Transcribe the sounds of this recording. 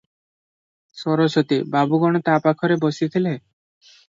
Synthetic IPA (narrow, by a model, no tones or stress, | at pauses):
sɔɾosɔt̪ibabuɡɔɽ̃ɔt̪apakʰɔɾebɔsit̪ʰile